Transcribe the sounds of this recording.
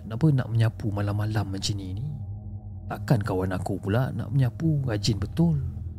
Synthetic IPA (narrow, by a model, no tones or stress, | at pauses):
napəna̰ʔ̚məɲãpumalamːalamːənt͡ʃinini | t̪akankawanakupulana̰ʔməɲapuɾad͡ʒɪnbət̪ʊl